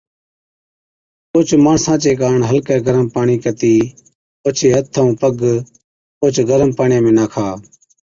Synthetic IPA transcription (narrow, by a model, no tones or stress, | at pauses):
toːt͡ʃmaːɳsãːt͡ʃeːkaːɳɦəlkɛːɡəɾəmpaːɳiːkət̪iː | oːt͡ʃʰeːət̪ʰːəũːpəɡ | oːt͡ʃɡəɾəmpaːɳjẽːmẽːnaːkʰaː